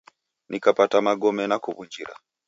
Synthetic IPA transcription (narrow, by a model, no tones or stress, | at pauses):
nʔikapatamaɡɔmɛnakuβund͡ʒiɾa̰